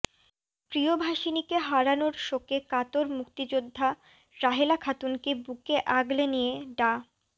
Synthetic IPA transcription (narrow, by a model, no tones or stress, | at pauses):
pɾiobʱaʃinikeɦaɾanoɾʃokekat̪oɾmukt̪id͡ʑod̪ʱːa | ɾaɦelakʰat̪unkebukeʔaɡlenijeɖa